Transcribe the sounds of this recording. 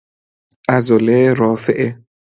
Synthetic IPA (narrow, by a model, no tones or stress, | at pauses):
azoleɾɔfeʔe